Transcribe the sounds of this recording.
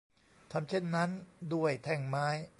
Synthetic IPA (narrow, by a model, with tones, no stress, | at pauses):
t̪ʰa˧mt͡ɕʰe˥˩nːa˦˥ndu˥˩əjt̪ʰɛ˧˩ŋmaː˦˥j